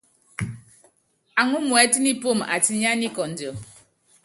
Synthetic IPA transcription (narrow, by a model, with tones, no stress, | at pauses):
a˨ŋu˦mwɛ˨˦ti˦ni˦po˦˨ma̰˨ti˦ɲ˦a˦ni˦kɔ˨n̩˨dɔ˨